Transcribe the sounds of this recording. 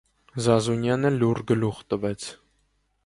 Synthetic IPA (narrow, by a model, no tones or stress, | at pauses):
zɑzunjɑnəluɾɡəluʁt̪əvɛt͡sʰ